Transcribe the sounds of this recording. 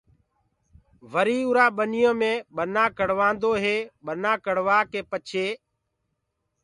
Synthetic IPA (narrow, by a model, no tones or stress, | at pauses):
ʋəɾiːʊɾaːɓənɪjõːmẽːɓənãːkəɽ̤ʋãːnd̪oːɦeːɓənãːkəɽʋaːkeːpət͡ʃʰeː